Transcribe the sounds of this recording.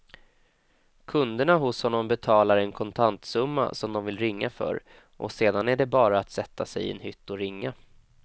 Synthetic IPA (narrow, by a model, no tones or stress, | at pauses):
kʰɵnd̪əɳaɦʊshɔnːɔmbɛt̪ʰɑːlaɾɛnkʰɔnt̪ʰant̪sɵmːa̰sɔmd̪ɔmvɪlɾɪŋːafœ̰ɾ | ʔɔ̰seːd̪anæɖɛbɑːɾaːt̪sɛt̪ːasɛjɪ̰ɛ̰nhʏt̪ːɔɾɪŋːa